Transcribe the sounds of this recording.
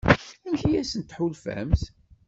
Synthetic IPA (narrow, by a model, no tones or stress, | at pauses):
ænçijæsənt̪ħulfə̰mθ